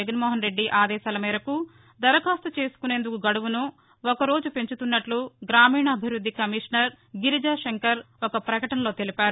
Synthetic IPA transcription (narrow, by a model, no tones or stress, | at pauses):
ɡɐnmɔːɦɐnɾe̞ɖːiʔaːd̪ɛːʃaːlɐmiːɾɐku | d̪ɐɾɐkaːst̪ɐt͡ʃe̞ːsu̥kune̞ːnd̪ukuɡɐɽuʋunu | okɐɾo̞ːd͡ʒupe̞ɲt͡ʃut̪unːɐʈluɡɾaːmiːɳɐːbʱiʋɾud̪ʱːikɐmiːʂnɐɾ | ɡiɾid͡ʒaːʃeŋkɐɾ | ɔkɐpɾɐkɐʈɐnɐlo̞ːt̪e̞lipaːɾu